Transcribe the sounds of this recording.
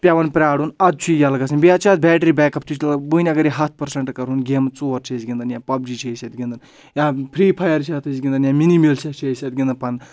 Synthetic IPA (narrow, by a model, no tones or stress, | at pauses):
pʲaʋɐnpɾʲaːɽunɐd̪̚t͡ʃʰuijalɐɡɐs̬inʲbiɐt͡ʃʰaːt̪̚bʲɛːʈɾibɛːkɐpt̪ʰut͡ʃʰlbuːnʲɐɡɐɾjiɦɐt̪̚ʰpɐɾsɐɳʈkɐɾɦunɡeːmt͡suːʋɐɾt͡ʃʰesɡʲĩnd̪ɐnjãːpɐbd͡ʒit͡ʃʰesʲɐt̪̚ɡʲĩnd̪ɐn | jãpʰɾiːpʰɐjɐɾt͡ʃʰaːt̪ʰɨsɡʲĩnd̪ɐnjãːminimilt͡ʃʰɐt͡ʃʰesʲeɐt̪̚ɡʲind̪ɐnpɐn